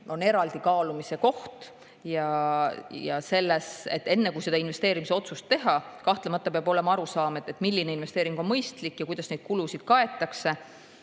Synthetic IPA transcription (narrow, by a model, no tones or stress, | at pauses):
o̞ne̞ɾɑld̪̥ikɑːlumise̞ko̞ht̪ | jɑ | jɑse̞lːesḛt̪ːe̞nːe̞kujse̞d̪̥ɑinve̞st̪e̞ːɾimise̞o̞t̪sust̪ːe̞ɦɑkɑht̪lemɑt̪ːˑɑpeɑb̥o̞le̞mɑɑɾusɑːmed̪et̪ːˑmilʲːine̞inve̞st̪eːɾiŋɡ̥o̞nmɤjst̪likːˑjɑkujd̪ɑsne̞jd̪̥kulusid̪̥kɑe̞t̪ːˑɑkse̞